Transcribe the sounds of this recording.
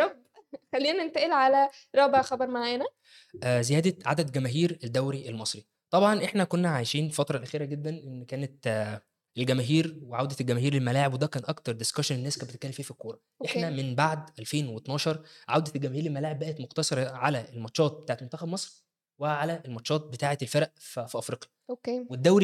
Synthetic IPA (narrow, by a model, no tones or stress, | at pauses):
ɾˤɑb̚t̪xælːiːnæent̪æʔelʕalæɾˤɑːbeʕxɑbɑɾˤmaʕenæ | ʔzejæːd̪æʕa̰d̪æd̪ɡæmæːɦiːɾeld̪ːæwɾiʔelmɑsˤɾi | t̪ˤɑbʕɑnʔeħnækonːæʕajʃiːnfæt̪ɾˤɑlʔæxiːɾæɡed̪ːænʔenːkæːnæt̪ | elɡæmæːɦiːɾweʕawd̪æelɡæmæɦiːɾelmælaːʕebwed̪æːkæːnʔɑkt̪ɑɾˤd̪eskæʃenenːæːskæbetet̪̚kælːemfiːæfikːoːɾˤɑʔeħæmenbaʕd̪ʔælfeːnwet̪nɑːʃɑɾˤʕawd̪æt̪elɡæmæːhiːɾelmælaːʕebːæʔæt̪moqt̪ɑsˤɑɾˤɑʕalæʔelmɑt̪ʃɑːt̪̚ˤbe̥t̪aʕet̪mont̪æxæbmɑsˤɾ | wæʕalæʔelmɑt̪ʃɑːt̪̚bet̪aːʕet̪elfeɾʔffiʔɑfɾiːqjæokewed̪ːæwɾi